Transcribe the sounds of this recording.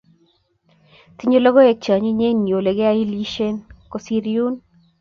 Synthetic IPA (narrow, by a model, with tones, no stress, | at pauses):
t̪i˦ɲo˦lɔ˦ɡɔ˦ɛ˨˦k̚t͡ʃa˨ɲi˦ɲe˦njo˨le˨ɡe˦a˦i˦li˦ʃe˦nko˨si˦ɾju˦n